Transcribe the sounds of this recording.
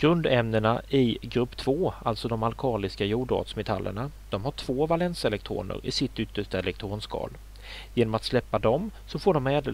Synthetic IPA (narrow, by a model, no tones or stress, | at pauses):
ɡ̥ɾɵnd̪ɛmnəɳaʔɪɡɾɵpːt̪ʰv̥oːalt̪sɔd̪ɔmalkʰɑːlɪskajuːɖɑ̰ːt̪smɛt̪ʰa̰lːʔə̰ɳa | d̪̥ɔmhaʈʰv̥oːvalɛnsɛlɛk̚t̪ʰɾo̰ːɳə̰ɾɪ̰sɪt̪ːʏt̪ːəʂʈaɛlɛk̚t̪ʰɾoːnskɑ̰ːl | jeːnɔmat̪slɛpːad̪ɔmsɔfoːɖɔmɛːd̪ə